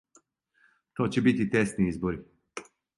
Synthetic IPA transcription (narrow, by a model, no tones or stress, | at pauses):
t̪oːt͡ɕɛbit̪it̪ɛst̪niizbɔɾi